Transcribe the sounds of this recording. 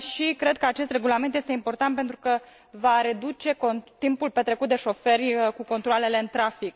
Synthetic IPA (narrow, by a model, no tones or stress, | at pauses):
ʃikɾe̞d̪̚kəat͡ʃe̞st̪re̞ɡulame̞nt̪jest̪e̞impo̞rt̪ant̪̚pent̪ɾukə | vaɾe̞d̪ut͡ʃe̞kot̪impulpe̞t̪ɾe̞kut̪̚d̪e̞ʃo̞fe̞rʲkuko̞nt̪ɾoale̞le̞ɨnt̪ɾafik̚